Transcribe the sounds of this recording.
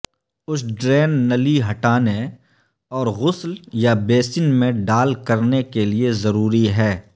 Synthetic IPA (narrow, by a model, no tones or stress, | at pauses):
ʊsɖɾeːnːɐliɦɐʈaːne | ɔːɾɣʊsljabeːsɪnmẽɖaːlkɐɾnekeliezɐɾuːɾiɦɛː